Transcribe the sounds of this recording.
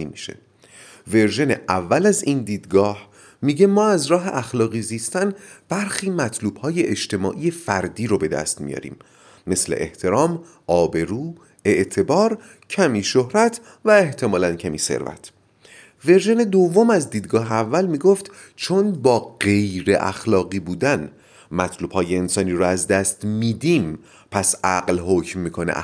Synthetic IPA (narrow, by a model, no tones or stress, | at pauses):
imiʃḛ | ve̞ɾʒe̞neʔævːælæziːnd̪iːd̪ɡɒːh | miːɟe̞mɒːæzɾɒːɦeʔæxlɒːɣiːziːst̪ænb̥æɾxiːmæt̪ʰluːb̥hɒːjeʔeʃt̪e̞mɒ̰ːʔije̞fæɾd̪iːɾobe̞d̪æ̰st̪mḭjɒ̰ɾḭːmː | e̞slḛʔḛht̪ʰe̞ɾɒːm | ʔɒːbe̞ɾuː | e̞ʔt̪ʰe̞bɒːɾ | cʰæmiːʃohɾæt̪ʰ | væe̞ht̪ʰe̞mɒːlæncʰæmiːsḛɾvæ̰t̪ʰ | ve̞ɾʒened̪ovːo̞mæzd̪iːd̪ɡɒːɦeævːælmiːɡoft̪ | t͡ʃʰonbɒːɢejɾe̞ʔæ̰xlɒːɣiːbuːd̪æn | mæt̪ʰluːb̥hɒːje̞ensɒːniːɾɔæzd̪æst̪miːd̪iːm | pʰæsʔæɢlɦocmːiːkʰonḛʔ